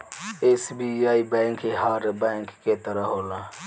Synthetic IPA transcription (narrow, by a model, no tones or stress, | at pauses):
eːsbiːaːiːbɛ̃ːŋkeːɦaɾbɛ̃ːŋkːeːt̪əɾaɦoːlãː